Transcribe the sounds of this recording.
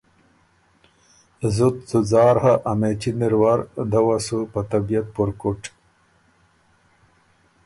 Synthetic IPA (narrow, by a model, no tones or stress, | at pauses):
zut̪t͡suzɑːɾhaʔɐmet͡ɕiniɾwaɾd̪awasupat̪abijat̪̚puɾkuʈ